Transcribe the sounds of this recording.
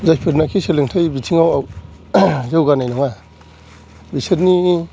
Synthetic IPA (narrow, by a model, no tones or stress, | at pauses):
zajpʰiɾnakʰiseleŋtʰajbitʰiŋawaw | zɯwɡanajnɔŋa | biseɾni